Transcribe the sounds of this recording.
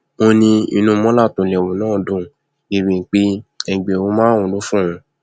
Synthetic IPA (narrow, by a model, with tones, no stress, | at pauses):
mo˧nĩ˧ḭ˧nũ˧mɔ̃˦la˦˨tũ˨lɛ˨wo˨nãː˦˨dũ˨ | e˨bi˨k͡pe˦ɛ˧ɡ͡be˨o˧˦mãː˦ũ˨lo˨˦fũ˦ũ˧˦